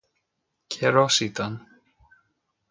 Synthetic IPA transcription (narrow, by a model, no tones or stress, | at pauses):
cʰɛɾɔsit̪an